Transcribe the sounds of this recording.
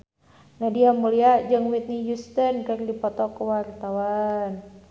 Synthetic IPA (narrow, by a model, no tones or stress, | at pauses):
nadiamuliad͡ʒɨŋwit̪̚nijust̪ənkərdipɔt̪ɔkəwart̪awan